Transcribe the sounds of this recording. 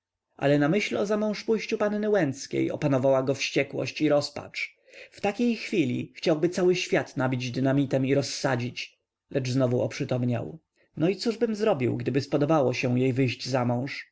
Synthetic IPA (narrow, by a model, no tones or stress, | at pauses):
ʔa̰lɛnamɘɕlɔzamɔ̃w̃ʂpujɕt͡ɕupanːɘwɛnt̪skʲḛjɔ̰panɔvawaɡɔfɕt͡ɕɛkwɔ̰ɕt͡ɕiɾɔspa̰t͡ʂ | ft̪akʲejxfʲilʲḭxt͡ɕawbɘt̪sawɘɕfʲjat̪nabʲid͡ʑd̪ɘnamʲit̪ɛmiɾɔsːad͡ʑit͡ɕ | lɛʐznɔvuʔɔpʂɘt̪ɔmɲa̰w | nɔit̪suʐbɘmzɾɔbʲiwɡd̪ɘbɘspɔd̪ɔbawɔɕɛjejvɘjʑd͡ʑzamɔ̃w̃ʂ